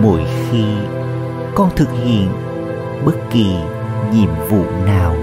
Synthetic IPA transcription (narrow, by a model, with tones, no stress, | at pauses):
mo˧˩jxi˧ | kɔ˧nt̪ʰɨ˨˩k̚hḭ˧˨ən | ɓə˦˥t̚ki˨˩ | ɲḭ˧˨əmvṵ˧˨naː˨˩w